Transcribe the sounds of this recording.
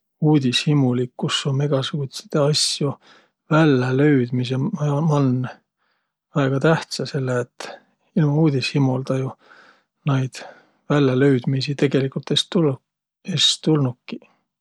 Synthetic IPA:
uːd̪̥ʲishimulikːusːome̞ɡ̥ɑsuut̪si̥t̪eɑsju | vælːelø̞ɥd̪̥mis̬emɑɑmɑnː | væeɡ̥ɑt̪æht̪sɑse̞lːeet̪ː | ilmɑuːd̪̥ʲishimold̪̥ɑju | nɑjd̪̥ | vælːelø̞ɥd̪̥misit̪e̞ɡ̥e̞likult̪est̪u | est̪ulnukkːi̥

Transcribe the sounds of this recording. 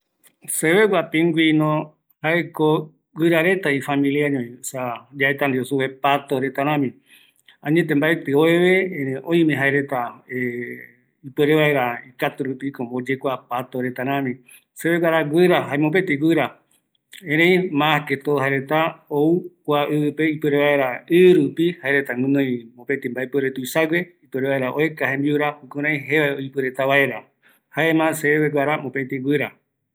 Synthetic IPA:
seβeɡʷapĩŋɡʷinõ | haeko | ɡʷɨɾaɾe̞t̪aifamĩliaɲõĩsad͡ʒaet̪and̪iosuβepat̪oɾet̪aɾ̃ãmĩ | ãɲẽt̪̬ẽmbaet̪ɨoeβeẽõj̃mẽɦaeɾet̪ae | ipeɾeβae̞ɾaikat̪uɾupikombod͡ʒekʷapat̪oɾe̞t̪aɾ̃ãmĩ | seβeɡʷaɾaɡʷɨɾaɦaemõpet̪iɡʷɨɾa | ẽɾẽj̃mãket̪ohaeɾe̞t̪aoukʷaʔɨpe̞ipɨɾeβae̞ɾaɨɾupihaeɾet̪amɨ̃nõj̃mõpet̪ĩmbaepeɾet̪uisaɡʷeipeɾeβaeɾaʔoekahẽ̞mbiuɾahukũɾ̃ãĩɦeβaoipɨɾet̪aβae̞ɾa | haemãseβeɡʷaɾamõpet̪iɡʷɨɾa

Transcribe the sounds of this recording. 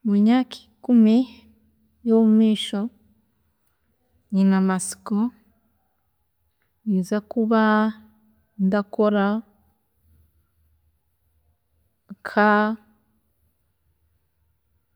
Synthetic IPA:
muɲaki̥ | kumi | jomumiːʃo | ɲinamasi̥ko | izakuβa | ndakoɾa | ŋkʰa

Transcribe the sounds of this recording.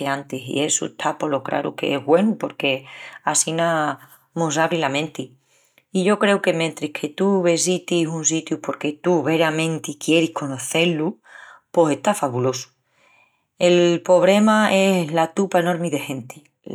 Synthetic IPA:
eant̪isḭe̞sṵet̪ʰapo̞lo̞kɾa̰ɾṵke̞̰eɦɣwe̞nupo̞ɾke̞asina | musaβɾilamẽnt̪i | iʝo̞kɾe̞uke̞ment̪ɾihkʰe̞t̪uβisit̪isuns̬it̪jupo̞ɾke̞t̪uβe̞ɾamẽ̞nt̪ikje̞ɾihko̞no̞θe̞lupo̞se̞ht̪afaβulo̞su̥ | elpo̞β̞ɾe̞mae̞slat̪upaeno̞ɾmiðe̞hẽ̞nt̪i̥

